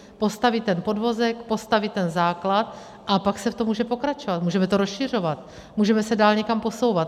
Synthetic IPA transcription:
po̞st̪avɪt̪ɛnpo̞dvo̞zɛkpo̞st̪avɪt̪t̪ːɛnzaːklat̪ | ʔapaksɛft̪omuːʒɛpo̞kɾat͡ʃovat̪muːʒɛmɛt̪oɾosʃɪr̝o̞vat̪ | muːʒɛmɛsɛdaːlɲɛkampo̞so̞wvat̪

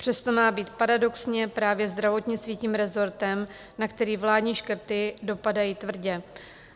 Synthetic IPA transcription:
pr̥ɛst̪o̞maːbiːt̪paɾado̞ksɲɛpɾaːvjɛzd̪ɾavo̞t̪ɲɪt͡st̪viːciːmɾɛzo̞ɾt̪ɛm | nakt̪ɛɾiːvlaːdɲiːʃkr̩t̪ɪdo̞padajiːt̪vr̩ɟɛ

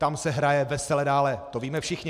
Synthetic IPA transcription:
t̪amsɛɦɾajɛvɛsɛlɛdaːlɛt̪oviːmɛfʃɪxɲɪ

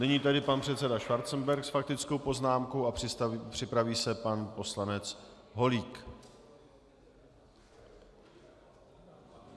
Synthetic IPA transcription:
nɛɲiːt̪adɪpanpr̥ɛt̪t͡sɛdaʃvaɾt̪t͡snbɛɾksfak̚t̪ɪt͡sko̞wpo̞znaːmko̞wʔarpr̥ɪpɾaviːsɛpanpo̞slanɛt͡s | ɦo̞liːk

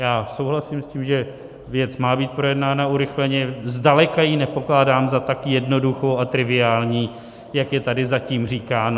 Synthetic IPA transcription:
jaːsowɦlasiːmsciːmʒɛ | vjɛt͡smaːbiːt̪̚pɾo̞jɛdnaːnauɾɪxlɛɲɛzdalɛkajinɛpo̞klaːdaːmzat̪akjɛdno̞duxowat̪ɾɪvɪaːlɲiː | jakjɛt̪adɪzaciːmr̝iːkaːn

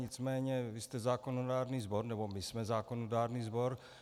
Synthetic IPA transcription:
ɲɪt͡smɛːɲɛvɪst̪ɛzaːkonodaːɾniːzboɾnɛbo̞mɪsmɛzaːkonodaːɾniːzbo̞ɾ

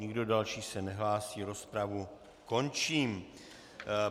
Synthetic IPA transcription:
ɲɪɡdo̞dalʃiːsɛnɛɦlaːsiːɾo̞spɾavu | ko̞nt͡ʃiːm

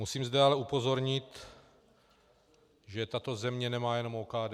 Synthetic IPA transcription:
musiːmzd̪ɛalɛupo̞zoɾɲɪt̪ | ʒɛt̪at̪o̞zɛmɲɛnɛmaːjɛno̞moːkaːdɛ

